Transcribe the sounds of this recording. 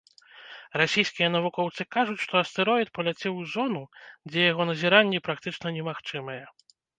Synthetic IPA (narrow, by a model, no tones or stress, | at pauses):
rasʲejskʲijɐn̪ɐvukɔwt̪sɨkaʐut͡sʲʂt̪ɔɐst̪ɛɾɔjt̪̚pɐlʲat͡sʲɛwzɔnud͡zʲɛjaɣɔnɐzʲiɾanʲːɛpɾak̚t̪ɨt͡ʂnɐnʲɛmaxt͡ʂɨmɐjɛ